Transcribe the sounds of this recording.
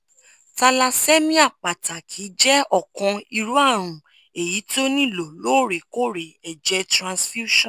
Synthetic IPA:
ta˧la˧se˦mĩ˦a˦˨k͡pa˨ta˨kʰiː˨˦d͡ʒɛ˦ɔ˦˨kɔ̃˧i˧ɾu˨˦a˦˨ɾ̃ũ˨ | e˨ji˨˦ti˦o˦nĩ˦˨lo˨lo˨˦˨ɾe˨ko˦˨ɾe˨ɛ˨d͡ʒɛ˧tɾã˧sfi˦u˦ʃɔ̃˦˨

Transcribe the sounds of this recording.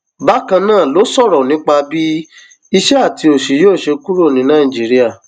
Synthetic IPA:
ba˦kã˧nãː˦˨lo˨˦sɔ˦˨ɾɔ˨nĩ˨˦k͡pa˧bi˦ | i˧ʃɛ˦a˦˨ti˧o˨ʃi˨˦joː˦˨ʃe˧ku˦ɾo˦˨nĩ˨˧˦nã˦˨i˨d͡ʒi˨˦ɾi˦a˦˨

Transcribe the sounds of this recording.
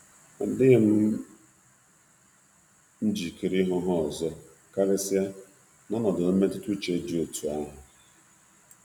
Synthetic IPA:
a˨dɪ˦ɣe˦m̩˦ | n̩˦d͡ʒi˨ki˨ɾi˦ɦʊ˦ɦɔ˦˨zɔ˦ | ka˦le˦si˦a˦ | nɔ˦nɔ˨dʊ˨˦me˦tɪ˦tu˦t͡ʃe˦d͡ʒi˨o˨tʰu˨a˦ɦʊ˨

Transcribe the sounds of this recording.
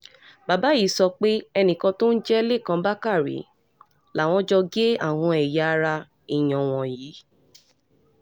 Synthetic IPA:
ba˨ba˨˦i˦sɔ˧k͡pe˦ɛ˧nĩ˨kɔ̃˧to˦n̩˦d͡ʒɛ˦le˦˨kã˧˦ba˦ka˦˨ɾḭ˨˦ | la˨w̃ɔ̃˨˦d͡ʒɔ˧ɡe˦a˦˨w̃ɔ̃˧ɛ˨ja˨˧ɾa˧ | i˦˨j̃ɔ̃˨w̃ɔ̃˨ji˨˦

